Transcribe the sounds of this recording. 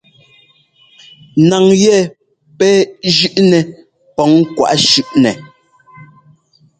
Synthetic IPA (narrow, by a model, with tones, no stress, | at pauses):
na˨ŋjɛ˦˨ | pɛ˦d͡ʒʉ˦ʔnɛ˨ | pɔ˨˦ŋkwa̰˨ʔʃʉ˦ʔnɛ˨